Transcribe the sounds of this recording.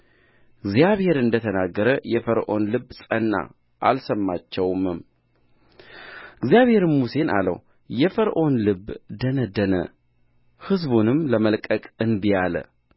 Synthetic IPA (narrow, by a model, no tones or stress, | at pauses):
ɡzijaβhe̞ɾɨnd̪ət̪ʰənaɡːəɾəjɛfəɾʔo̞̰nlɨbsʼənːa̰ | ʔa̰lsəmːat͡ʃːɛwmɨm | ɨɡzjaβhe̞ɾmuse̞nʔa̰lə̰w | jɛfəɾʔo̞nlɨbːd̪ənəd̪ənə̰ | hɨzbunɨmləməlkʼəkʼɨnbijalə̰